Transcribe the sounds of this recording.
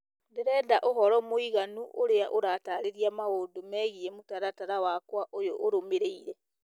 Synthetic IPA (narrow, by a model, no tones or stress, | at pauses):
deɾɛːdaʔoɦɔɾɔmoiɣanuʔoɾeaʔoɾataɾeɾiamahoːndomɛːɣiɛmotaɾataɾawakwaʔojoʔoɾomeɾeiɾɛ